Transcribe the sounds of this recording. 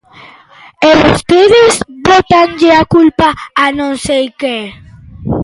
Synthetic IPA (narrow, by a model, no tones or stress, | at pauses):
elost̪eðezbot̪anʎeakulpaːnõnsejke